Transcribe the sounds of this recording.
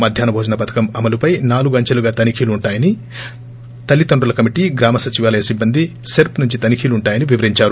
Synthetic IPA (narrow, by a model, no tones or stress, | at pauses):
mɐd̪ʱjaːnɐbʱɔːd͡ʒɐnɐpɐt̪ʰɐ̥kɐmɐmɐlupɐjnaːluɡuɐɲt͡ʃɐluɡaːt̪ɐnikʰiːluːɳʈaːjɐni | t̪ɐlːit̪oɳɖulɐkɐmiʈiːɡɾaːmɐsɐt͡ʃiʋaːlɐjɐsibːɐnd̪ʱiseɾpnuɲt͡ʃit̪ɐnikʰiːluɳʈaːjɐniʋiʋɐɾiɲt͡ʃaːɾu